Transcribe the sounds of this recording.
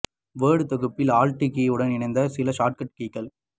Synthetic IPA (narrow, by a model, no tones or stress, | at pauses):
ʋeːɽɯt̪ɐɣɯpːɪlaːlʈikːiɯɽɐnɪnɐɪnd̪ɐsɪlɐʃaːʈ̚kɐʈ̚kiːkːɐl